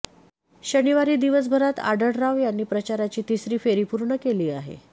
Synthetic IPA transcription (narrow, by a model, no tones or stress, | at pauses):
ɕəniʋaɾiːd̪iʋəs̬bʱəɾat̪a̰ɖəɽɾaʋjanːiːpɾət͡ɕaɾat͡ɕiːt̪isɾiːfeɾipuɾɳəkeliːaɦḛ